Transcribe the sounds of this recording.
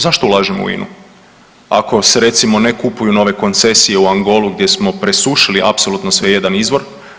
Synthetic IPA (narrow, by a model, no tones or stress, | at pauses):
zaʃt̪oulˠaːʒemo̰ṵḭnʔṵ | a̰ko̞se̞ɾe̞t̪simo̞nekupujuno̞ʋe̞ko̞nt̪se̞sije̞uaŋɡo̞luɡdje̞smo̞pɾe̞suʃiliʔa̰pso̞lut̪nosʋe̞je̞d̪anizʋo̞ɾ